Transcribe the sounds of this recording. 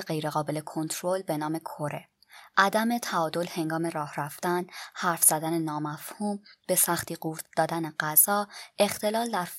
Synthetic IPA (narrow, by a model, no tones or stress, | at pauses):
ɢe̞jɾe̞ɣɒːbe̞lekʰo̞nt̪ʰɾo̞lbe̞nɒːme̞kʰoɾe̞ | ʔæd̪æme̞t̪ʰæɒːd̪o̞lhe̞ŋɡɒːme̞ɾɒːhræft̪ænhæɾfz̥æd̪ænenɒːmæfhuːmb̥e̞sæxt̪iːɢuːɾd̪d̪ɒːd̪æneɢæz̥ɒːe̞xt̪ʰe̞lɒːld̪æɾ